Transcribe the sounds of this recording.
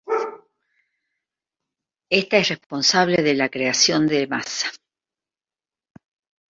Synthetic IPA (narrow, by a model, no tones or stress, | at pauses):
est̪aesrespo̞nsaβ̞leðelakɾeasjo̞nd̪ema̰sḁ